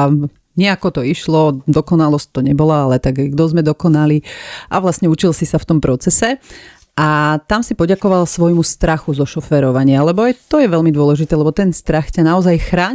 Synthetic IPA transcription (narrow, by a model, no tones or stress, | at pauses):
ɲɪɛakɔt̪ɔiʃlɔd̪ɔkɔnalɔsc̚t̪ɔɲɛbɔlaalɛt̪aɡɡd̪ɔzmɛd̪ɔkɔnaliʔaʋlastɲɛut͡ʃilsisaft̪ɔmpɾɔt͡sɛsɛ | ʔat̪amsipɔɟakɔʋalsʋɔjmust̪ɾaxuzɔʃɔfɛɾɔʋaɲɪalɛbɔajt̪ɔjɛʋɛlmid̪ʊɔlɛʒit̪ɛːlɛbɔt̪ɛnst̪ɾaxcanaɔzajxɾaː